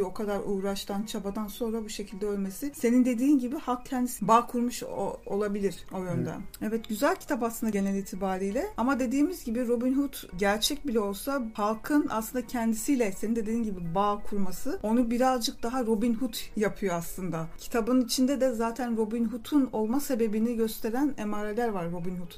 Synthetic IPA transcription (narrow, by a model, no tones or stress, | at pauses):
o̞kʰad̪aɾuːɾaʃt̪ʰant͡ʃʰabad̪anso̞nɾabuʃe̞cʰilʲd̪ɛølʲme̞sise̞nind̪e̞d̪iːnɟibihalˠkcʰɛnd̪isbaːkʰuɾmuʃo̞lˠabilʲiɾ̥o̞jønd̪ɛ̰ɛvɛt̪ɟyzælʲcʰi̥t̪ʰapasɯnd̪aɟe̞nɛlʲiːt̪ʰibaːɾijlʲɛamad̪e̞d̪iːmizɟibiɾo̞binhut̪ɟæɾt͡ʃʰɛc̚bilʲɛo̞lˠsahalˠkʰɯna̰slɯnd̪acʰɛnd̪isijlʲɛse̞nind̪ed̪ed̪inɟibibaːkʰuɾmasɯo̞nubiɾazd͡ʒɯk̚d̪aɦaɾo̞binɦut̪ʰjapʰɯjo̞aslˠɯnd̪acʰi̥t̪ʰabɯnit͡ʃʰind̪ɛd̪ɛzaːt̪ʰænɾo̞binɦut̪ʰuno̞lˠmase̞be̞biniɟø̞st̪ʰe̞ɾænemaːɾe̞lʲæɾvaɾːo̞binhut̪ʰ